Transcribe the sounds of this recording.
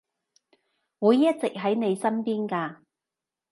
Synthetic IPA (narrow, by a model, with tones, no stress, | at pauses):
wuː˨˧jːɐ˥t̚t͡sɪ˨k̚ɦɐ˨˥jne˨˧jsɐ˥npiː˥nkaː˧